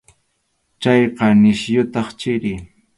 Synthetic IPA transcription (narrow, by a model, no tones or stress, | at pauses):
t͡ʃɑjqɑnɪʃjʊt̪ɑχt͡ʃɪɾɪ